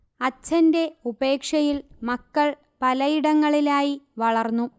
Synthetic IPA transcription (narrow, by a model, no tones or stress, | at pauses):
ɐt͡ɕːɐnde̞ube̞ːkʂɐjilmɐkːɐɭ | pɐlɐjiɽɐŋːɐɭilaːjiʋɐɭɐrnːu